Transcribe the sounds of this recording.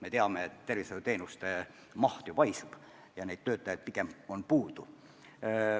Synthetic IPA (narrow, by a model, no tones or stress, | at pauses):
me̞t̪e̞ɑmeet̪ːe̞rviset̪et̪e̞ːnust̪e | mɑht̪juvɑjsub̥ | jɑne̞jd̪̥t̪ø̞ːt̪ːˑɑjɑd̪̥̚piɡ̥emo̞npuːd̪̥u